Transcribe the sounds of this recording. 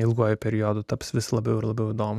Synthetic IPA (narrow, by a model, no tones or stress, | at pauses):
ɪlˠɡoːjʊpʲɛɾʲɪjoːd̪ʊt̪ɐpsʋʲɪslˠɐbʲɛʊɪɾlˠɐbʲɛʊɪd̪oːmʊ